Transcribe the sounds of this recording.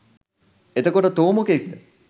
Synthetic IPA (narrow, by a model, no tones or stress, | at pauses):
et̪ɐkoʈət̪oːmokekd̪ə